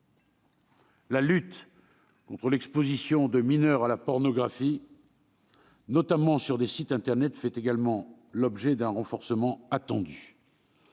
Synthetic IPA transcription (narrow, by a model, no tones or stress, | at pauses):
lalyt̪ | kɔ̃t̪χəlɛkspozisjɔ̃d̪əminœʁalapɔʁnɔɡʁafi | nɔt̪amɑ̃syʁd̪esit̪ɛ̃t̪ɛʁnɛt̪fɛt̪eɡalmɑ̃ | lɔbʒɛd̪ɛ̃ʁɑ̃fɔʁsəmɑ̃at̪ɑ̃d̪y